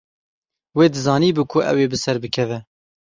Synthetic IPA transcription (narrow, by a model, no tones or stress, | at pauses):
weːd̪ɨzɑːniːbɨkʰʊʔɛ̰weːbɨsɛɾbɨkʰɛvɛ